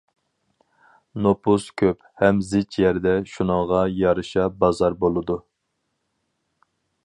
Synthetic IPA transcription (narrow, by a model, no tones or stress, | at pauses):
nopuskʲʰøp̚hɛmzɪt͡ʃʰjæɾd̪ɛʃunəŋʁɑjɑɾɨʃɑbɑzɑɾbolˠɨd̪u